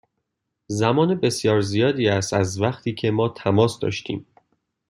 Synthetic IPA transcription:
zæmɒːnebe̞sjɒːɾzijɒːd̪iːæst̪æzvæχt̪ʰiːcʰe̞mɒːt̪ʰæmɒːsd̪ɒ̰ːʃt̪ḭːm

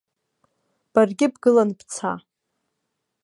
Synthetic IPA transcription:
b̥arɡʲɪbɡɨlanbʰt͡sʰa

